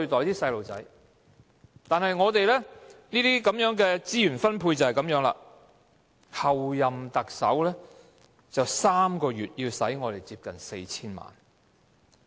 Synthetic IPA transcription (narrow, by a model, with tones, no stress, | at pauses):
ɵ˧ɥt̪ɔː˨jt̪iː˥sɐ˧jlo˨wt͡sɐ˨˥j | t̪aː˨nhɦɐ˨jŋɔː˨˧t̪e˨jlɛː˥niː˥t̪iː˥kɐ˨˥mjœː˨˥ŋkɛː˧t͡siː˥jyː˨˩nfɐ˥npʰuː˧jt͡sɐ˨whɐ˨jkɐ˨˥mjœː˨˥ŋla̰ː˧˨ | hɐ˨wjɐ˨mt̪ɐ˨k̚sɐ˨˥wlɛː˥ | t͡sɐ˨wsaː˥mkɔː˧ɥyː˨t̚jiː˧wsɐ̰˨˥jŋɔː˨˧t̪e˨˩jt͡siː˧p̚kɐ˨˩nse˧jt͡sʰiː˥nma̰ː˨˩n